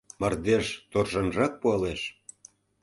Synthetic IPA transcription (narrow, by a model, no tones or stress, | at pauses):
mɑrd̪eʃt̪orʒɑnʒɑk̚puɑleʃ